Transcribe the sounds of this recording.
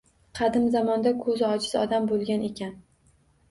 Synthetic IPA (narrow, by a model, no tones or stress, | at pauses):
qʰɑd̪ɪmzamɒnd̪akʰɵzɒd͡ʒɪzɒ̰d̪ambolˠɡʲane̞kʲʰan